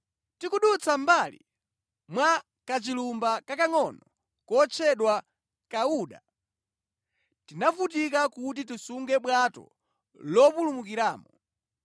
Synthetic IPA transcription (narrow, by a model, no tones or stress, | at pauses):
tikuɗut͡sʰambalḭ | mwa | kat͡ʃilumbakakaŋɔnɔ | kɔt͡ʃʰɛɗwa | kauːɗa | tinafutikakut̬itisuŋɡɛɓwatɔ̰ | lɔpulumukiɾaːmɔ